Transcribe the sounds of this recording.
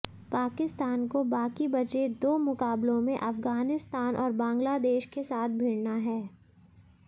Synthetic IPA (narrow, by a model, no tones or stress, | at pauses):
paːkɪst̪aːnkobaːkibɐd͡ʒed̪oːmʊkaːblõmẽʔɐfɡaːnɪst̪aːnʔɔːɾbãːŋɡlad̪eːʃkesaːt̪̚ʰbʱɪɽnaɦɛː